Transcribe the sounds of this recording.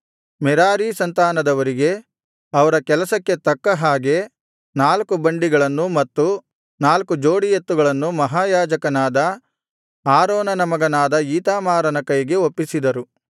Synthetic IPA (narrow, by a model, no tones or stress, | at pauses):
mɛɾaːɾisɐnt̪aːnɐd̪ɐʋɐɾiɡe̞ | ɐʋɐɾɐkɛlɐsɐkːe̞t̪ɐkːɐɦaːɡe̞ | naːlkubɐɳɖiɡɐɭɐnːumɐt̪ːu | naːlkud͡ʒoːɽijet̪ːuɡɐɭɐnːumɐɦaːjaːd͡ʒɐkɐnaːd̪ɐ | aːɾoːnɐnɐmɐɡɐnaːd̪ɐiːt̪aːmaːɾɐnɐkɐjiɡe̞opːisid̪ɐɾu